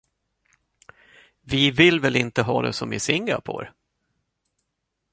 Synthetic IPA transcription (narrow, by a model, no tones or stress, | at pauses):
vɪvɪlːvɛlɪnt̪əɦɑːd̪ɛ̰sɔmɪsɪŋɡapʰo̰ːɾ